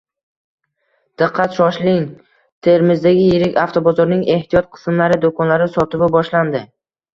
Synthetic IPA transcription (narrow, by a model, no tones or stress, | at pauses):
d̪̥ɨqʰːat̪ʃɒʃlɪŋ | t̪ʰe̞ɾmɪzd̪aɡʲɪjeɾɪkʲaft̪ʰobɒzɒɾnɪŋe̞ht̪ʰijɒt̪̚qʰɨ̥smlaɾɪd̪okʰɒnlaɾɪsɒt̪ɪbɪbɒʃland̪ɪ